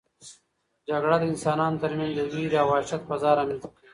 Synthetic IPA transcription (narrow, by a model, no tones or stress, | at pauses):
d͡ʒɐɡɽad̪insɑːnaːnd̪ɐɾmʲjaːnd͡ʑuɡiːɾaːwaːʃɐt̪̚bɐzɑːɾɐmit̪